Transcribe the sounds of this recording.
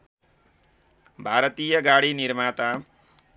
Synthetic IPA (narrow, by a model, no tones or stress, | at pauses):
bʱaɾʌt̪ijʌɡaɽinirmat̪a